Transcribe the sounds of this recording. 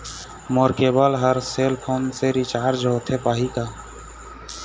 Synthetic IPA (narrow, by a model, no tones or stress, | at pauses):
moːɾkeːbaːlɦəɾseːlpʰoːnseːɾit͡ʃaːɾd͡ʒoːt̪ʰeːpaːɦiːkaː